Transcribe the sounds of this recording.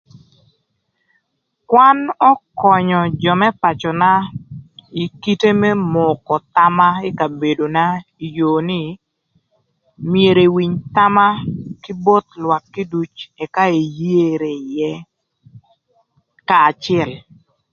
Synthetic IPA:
kwa˦nɔ˦kɔ˨ɲɔ˨d͡ʒɔ˨mɛ˦pa˨t͡ʃɔ˨na˦ | i˨ki˦te˦mɛ˦mʊ˨kɔ˨t̪a˦ma˦e˦ka˨be˨do˨na˦i˨joː˨nɪ˦ | mje˨ɾe˨wi˨ɲt̪a˦ma˦ki˦bo˦t̪lwa˨kːi˦du˦t͡ʃɛ˨ka˦e˨je˦ɾe˨jɛ˦ | kaː˨t͡ʃɛ˦˨l

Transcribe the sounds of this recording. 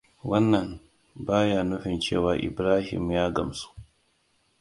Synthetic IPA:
wɐ˦nːɐ˨n | baː˦jaː˨nʊ˦ɸi˨nt͡ʃeː˦˨waː˨ʔɪ̰˨bɾaː˦hḭ˨mjaː˦ɡɐ˨msu̥˦

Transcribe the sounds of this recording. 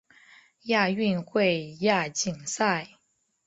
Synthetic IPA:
ja˥˧y˥˧nxwe˥˧ɪja˥˩t͡ɕi˨˩ŋsa˥˩ɪ

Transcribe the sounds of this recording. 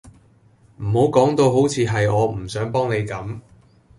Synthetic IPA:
m̩˨˩ho˨˥wkɔː˨˥ŋt̪o˧wɦo˨˥wt͡sʰiː˨˧ɦɐ˨jɔː˨˧m̩˨˩sœː˨˥ŋpɔː˥ŋne˨˧jkɐ˨˥m

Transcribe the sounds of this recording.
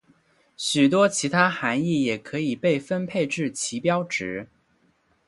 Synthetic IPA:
ɕy˨˩t̪̬wɔ˥t͡ɕʰi˧˥t̪ʰa˥xa˧˥ni˥˩jɛ˨˩kʰɤ˧˥i˨˩pe˥˩ɪfə˥npʰe˥˧ɪʈ͡ʂɻ̩˥˩t͡ɕʰi˧˥pjɑ˥ʊʈ͡ʂɻ̩˧˥

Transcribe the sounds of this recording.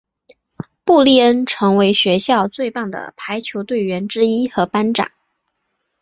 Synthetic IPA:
pu˥˧li˥˩ə˥nʈ͡ʂʰɤ˧˥ŋwe˧˥ɪɕɥɛ˧˥ɕjɑ˥˧ʊt͡swe˥˧ɪpɑ˥˩ŋd̪ə̰˩pʰa˧˥ɪt͡ɕʰjo˧˥ʊt̪we˥˩ɪɥɛ˧˥nʈ͡ʂɻ̩˥i˥xɤ˧˥pa˥nʈ͡ʂɑ̰˨˩˦ŋ

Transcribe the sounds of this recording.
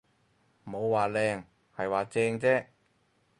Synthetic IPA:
mo˨˧wːaː˨lɛː˧ŋ | hɐ˨jwaː˨t͡sɛː˧ŋt͡sɛː˥

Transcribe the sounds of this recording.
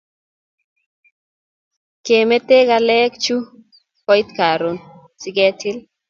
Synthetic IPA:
ke˨me˦t̪e˦ɡa˦lɛ˦kt͡ʃu˦ | kɔ˦i˦t̪ka˨ɾo˨n | sɪ˦ɡɛ˦tʰɪ˦l

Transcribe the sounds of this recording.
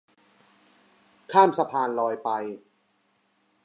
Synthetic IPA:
kʰaː˥˩msa˧pʰaː˧nlɔː˧jpa˧j

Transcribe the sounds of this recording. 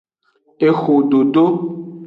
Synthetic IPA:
e˨xo˨ɖo˨ɖo˦

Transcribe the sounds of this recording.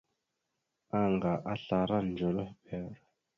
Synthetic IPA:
a˦ŋɡa˨ʔa˦ɬa˨ɾa˦nnd͡ʒo˨lo˦hbɛ˨ɾ

